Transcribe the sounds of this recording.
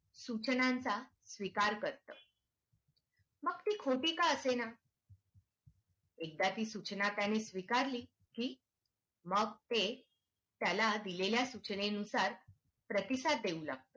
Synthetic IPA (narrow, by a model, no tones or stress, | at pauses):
sut͡ɕnãnt͡sa | sʋikaɾkəɾt̪əː | məɡt̪iːkʰoʈiːkaəsena | ek̚d̪at̪iːsut͡ɕnat̪janesʋikaɾliː | kiː | məɡt̪e | t̪jalad̪ileljasut͡ɕneənusaɾ | pɾət̪isat̪̚d̪eulaɡ̚t̪ə